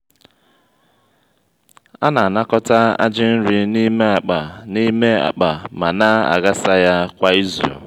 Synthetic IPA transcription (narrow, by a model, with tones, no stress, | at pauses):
a˦na˨a˨na˦kɔ˦ta˦a̰˦d͡ʒɪ˦n̩˦ɾi˦ni˦me˦a˨k͡pa˨ni˦me˦a̰˨k͡pa˨ma˨na˦a̰˨ɣa˦sa˦ja˦kʷa˨i˦zṵ˨